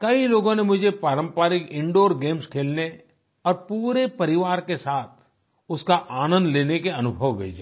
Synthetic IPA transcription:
kɐiloːɡõnemʊd͡ʒʱepaːɾə̃mpaːɾɪkɪ̃ɳɖoːɾɡeːmskʰeːlne | ɔːɾpuːɾepɐɾɪʋaːɾkesaːt̪ʰ | ʊskaʔaːnə̃nd̪leːnekeɐnʊbʱəʋːḛːd͡ʒaː

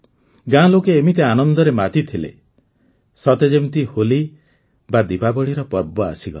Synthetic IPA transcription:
ɡãlokeːmit̪eanɔnd̪ɔɾemat̪it̪ʰilḛ | sɔt̪ed͡ʒemt̪iholi | bad̪ipabɔɽiɾɔpɔɾbɔa̰siɡɔ̰l

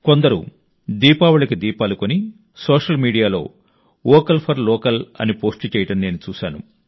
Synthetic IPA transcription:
kond̪ɐɾṵ | d̪iːpaːʋuɭɐkid̪iːpaːlukoni | sɔːʂɐlmiːɽijaːlo̞̰ː | ɔːkɐlpʰɐɾlɔːkɐlɐ̰nipoːsʈt͡ʃɛːjɐʈɐnne̞ːnut͡ʃuːʃaːnṵ

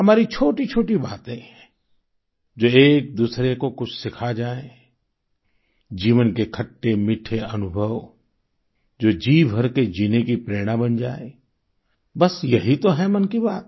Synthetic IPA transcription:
ɦɐmaːɾit͡ʃʰoːʈit͡ʃʰoːʈibaːt̪ɦɛ̃ | d͡ʒoːeːk̚d̪uːsɾekokʊt͡ʃʰsɪkʰad͡ʒaːe | d͡ʒiːʋənkekʰɐʈːemɪʈʰeɐnʊbʱəʋ | d͡ʒoːd͡ʒiːbʱəɾked͡ʒiːnekipɾeːɽ̃abɐnd͡ʒaːe | bɐsjɐɦit̪oɦɛmənkibaːt̪

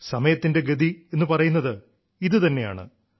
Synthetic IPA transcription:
sɐmɐjɐt̪ːinde̞ɡɐd̪ʱie̞nːupɐrɐjunːɐðɨ | iðɨt̪ɐnːe̞ja̰ːɳɨ̰

